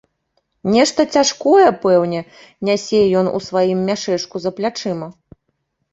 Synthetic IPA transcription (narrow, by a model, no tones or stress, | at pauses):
nʲɛʂt̪ɐt͡sʲaʂkɔjɛpɛwnʲɛ | nʲasʲɛjɔnṵsvajimːʲaʂɛʂkuzɐplʲat͡ʂɛmɐ